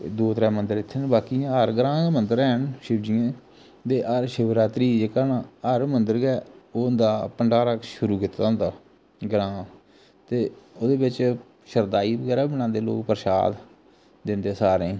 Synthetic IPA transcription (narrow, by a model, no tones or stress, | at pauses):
d̪oːt̪ɾɛːmənd̪əɾɪt̪ʰːenbaːkiːãɦəɾɡəɾãːmənd̪əɾɛːɦənʃɪbd͡ʒiãː | d̪eːʔəɾʃɪʋɾaːt̪ɾiːd͡ʒeːkaːnaːəɾmənd̪əɾɡɛːoːnd̪aːpəɳɖaːɾakʃʊɾuːkɪt̪ãnd̪aː | ɡɾãː | t̪eːoːd̪eːbɪt͡ʃ | ʃəɾd̪aːiːbəɡɛːɾaːbəɽãːnd̪eːlo̰ːkpəɾʃa̰ːd̪ | d̪ɪnd̪eːsaːɾẽː